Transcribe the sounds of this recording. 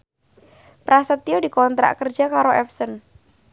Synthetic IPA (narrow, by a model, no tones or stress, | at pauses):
pɾasət̪iodikɔnt̪ɾa̰ʔkərd͡ʒ̥akaɾoʔɛfsən